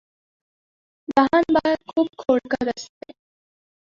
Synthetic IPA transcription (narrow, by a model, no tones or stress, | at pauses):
baɦanbakʰuːb̚kʰoːɽkəɾəst̪e